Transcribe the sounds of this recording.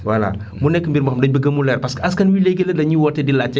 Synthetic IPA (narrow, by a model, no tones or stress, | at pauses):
wala̰ | munɛkːəmbiɾmɐxɐmdɐɲbiɡɐmulɛɾpɐsɐskɐnwileɡeledɐɲiwɔtːɛdilat͡ʃɛ